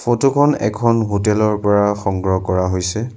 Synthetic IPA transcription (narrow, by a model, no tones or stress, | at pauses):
fʰotukʰɔnɛ̰kʰɔnɦotɛlɔɹpɔɹaxɔŋɡɹɔkɔɹaɦojsɛ